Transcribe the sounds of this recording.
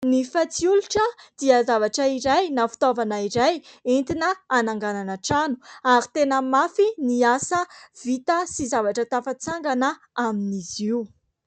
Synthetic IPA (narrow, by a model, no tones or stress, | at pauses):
nifat͡siuluʈ͡ʂəd̪̥iazavaʈ͡ʂəiɾajnafi̥t̪ovanaiɾajent̪inəːnaŋɡananaʈ͡ʂanu̥aɾit̪enəmafiniasəv̥it̪əsizavaʈ͡ʂət̪afat͡saŋɡanə | aminiziu